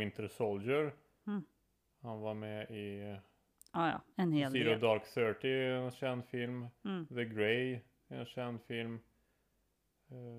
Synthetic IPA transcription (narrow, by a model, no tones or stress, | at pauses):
ɪnt̪ʰəɾsold͡ʒəɾ | hanvaɾmɛɪ | ɛnhefiːɾad̪ɑɾkθœːʈɪɛnɕɛnd̪fɪlmðəɡɾɛɪ | ɛnɕɛnd̪fɪlm